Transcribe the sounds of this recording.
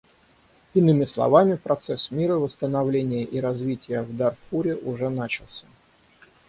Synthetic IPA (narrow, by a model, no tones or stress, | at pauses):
ɪnɨmʲɪslˠɐ̰vamʲɪpɾɐt̪sɛsmʲiɾəvəst̪ənɐvlʲenʲɪjəʔiɾɐzvʲitʲɪjəvd̪arfuɾʲɪʔʊʐɛnat͡ɕɪlˠsʲə̥